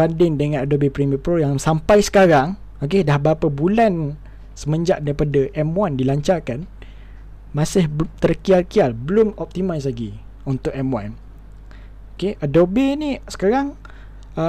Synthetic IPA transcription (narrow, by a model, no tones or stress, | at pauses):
andɪŋdəŋãnadobepɾiməpɾojaŋsampajsə̥kaɾaŋ | ok̬edahbəapəbulan | səmə̃ɲd͡ʒaʔdaɾipadaʔɛmwandilaɲt͡ʃarkan | mãsɪht̪ərkialkialbəlʊmɔp̚t̪imaslaɡi | unt̪ʊʔɛmwan | okeʔadobenisə̥kaɾaŋ | ə